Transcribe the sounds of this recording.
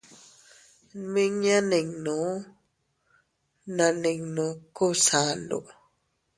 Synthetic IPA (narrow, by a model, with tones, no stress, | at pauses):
mi˦ŋja˦ne˨ŋnɔ˨˦ | na˨ne˨ŋno˨ko˦sa˨˦ndo̰˨ʔ